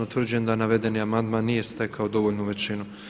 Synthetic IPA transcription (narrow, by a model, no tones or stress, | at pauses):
ot̪r̩d͡ʑe̞nd̪anaʋe̞d̪e̞niamand̪maːnːije̞st̪e̞kʰaod̪o̞ʋoʎnuʋe̞t͡ɕinu